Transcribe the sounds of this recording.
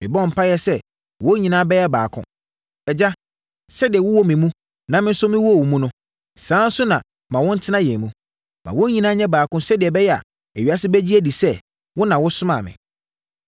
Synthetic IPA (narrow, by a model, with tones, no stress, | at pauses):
mɪ̃˨bɔ˦˨m̩˨pʰa˦jɛ˦sɛ˦ | wɔ˦ɲĩ˨nãː˦bɛ˦jɛ˦baː˨kʰʊ̰̃˦ | ɛ˨d͡ʑa˦ | sɛ˦dɪ˨ɛ˨wʊ˦wɔ˦mɪ̃˨mũ˦ | nã˨mɪ̃˦n̩˦sʊ˦mɪ̃˦wɔ˦˨wu˨mũ˦nʊ̃˦ | sãː˨˦n̩˦sʊ˦nã˨ | mã˨wʊ̃˦n̩˦tʰɪ˦nã˦jɛ̃˨mũ˦ | mã̰˨wɔ˦ɲĩ˨nãː˦ɲɛ̃˦baː˨kʊ̃˦sɛ˦dɪ˨ɛ˨bɛ˦jɛ˦a̰˨ | æ˨ɥi˨a˦sɪ˦bæ˦d͡ʑi˦æ˦di˨sɛ˦ | wʊ˦nã˨wʊ˦sʊ˦mã̰˨mɪ̰̃˨